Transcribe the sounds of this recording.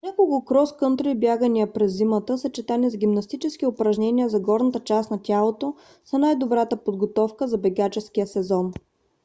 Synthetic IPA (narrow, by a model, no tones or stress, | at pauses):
nʲakolˠkʊkɾɔskɤnt̪ɾoibjaɡəniəpɾɛzːimət̪əsɐt͡ʃɛt̪anizɡʲimnɐst̪it͡ʃɛsk̟iʊpɾɐʒnʲɛniəzɐɡɔɾnət̪ət͡ʃasnɐtʲalˠot̪o | sɐnajd̪obɾat̪əpod̪ɡot̪ɔfkəzɐbɛɡat͡ʃɛskijəsɛzɔn